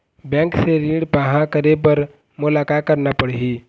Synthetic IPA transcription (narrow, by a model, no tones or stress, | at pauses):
bɛ̃ːŋkseɾiːɽpaɦãkəɾep̬əɾ | mʊlaːkat̪̚kəɾnapəɽ̤ɦiː